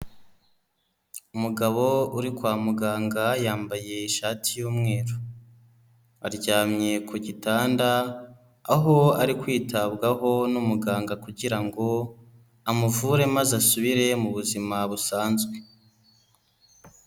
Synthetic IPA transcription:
umuɡaβo̞uɾikwaːmuɡaːŋɡajaːmbaje̞iʃaːtʰijuːmŋe̞ːɾu | aɾɟaːmɲe̞kʰoɟitaːndaː | ɦo̞aɾikwiːtʰaβɡaɦo̞numuɡaːŋɡakuɟiɾaŋɡo̞ | amuvuɾe̞mazasuβiɾe̞muβuzimaβusaːnzɡwe̞

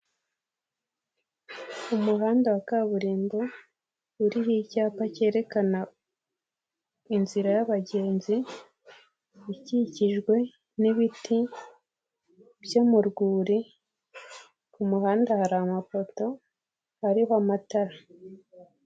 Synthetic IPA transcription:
umuɦaːndawakaβuɾiːmbo | uɾiɦicaːpace̞ːɾe̞kana | inziɾajaβaɟe̞ːnzi | iciciʒɡwe̞ | niβitʰi | bjomuɾɡuːɾi | kumuhaːndahaɾamapo̞to̞ | haɾihoamataɾa

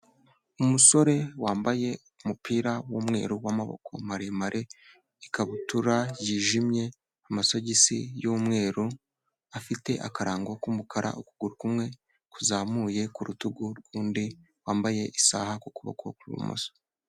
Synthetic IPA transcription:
umuso̞ɾe̞waːmbaje̞ | umupiːɾawumŋe̞̰ːɾuwamaβo̰kʰo̞̰maɾemaɾʔe | ikaβutuɾajiːʒimje̞ | amaso̞ɟisḭjuːmŋe̞ːɾu | afite̞ʔakaɾaːŋɡo̞kumukaɾa̰ʔukuɡ̥uɾukumŋe̞ | kuzaːmuje̞kuɾutuɡuɾuːndi | waːmbaje̞ʔisa̰hakokuβa̰ko̰kuɾṵmo̰so̥

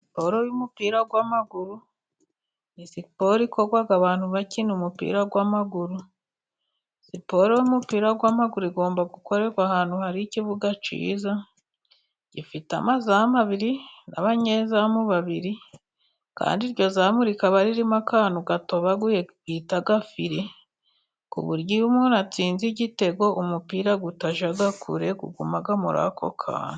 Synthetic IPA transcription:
sipoɾo̞jumupiːɾaɡwamaɡuɾu | nisipo̞ɾiko̞ɾɡwaɡaβaːn̥huβacinumupḭɾaɡwamaɡuɾu | sipo̞ɾo̞jumupiːɾaɡwaːmaɡuɾuiɡo̞ːmbaɡuko̞ɾe̞kwahaːn̥huhaɾiciβuɡat͡ʃḭːza | ɟifita̰mazaamaβiɾina̰βaɲezamuβaβiɾi | ka̰ːndiɾɟo̞zaːmuɾikaβaɾiɾimakaːnuɡato̞βaɡɡitaɡafiɾe | kṵβuɾɟiumunat͡siːnziɟite̞ɡo̞ʔumupiːɾaɡutaʒaɡakʰṵɾe̞ɡṵɡumaɡamuɾa̰kʰo̞̰kʰa̰ːn

